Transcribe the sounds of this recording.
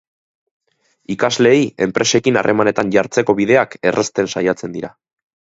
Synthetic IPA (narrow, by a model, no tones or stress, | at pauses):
ikazle̞jie̞mpɾe̞se̞kina̰rʔe̞mane̞t̪anʝaɾt͡se̞ko̞βiðe̞ake̞rʔest̪e̞nsajat͡se̞nd̪iɾa